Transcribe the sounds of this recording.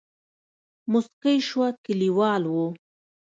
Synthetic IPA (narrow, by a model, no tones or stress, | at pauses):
mʊsqajʃwakɪliwɑːlwo